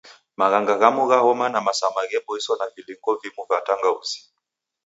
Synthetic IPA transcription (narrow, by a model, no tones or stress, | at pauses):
maɣaŋɡaɣamuɣahɔmanamasamaɣɛbɔisɔnaviliŋɡɔvimuvataŋɡauzi̥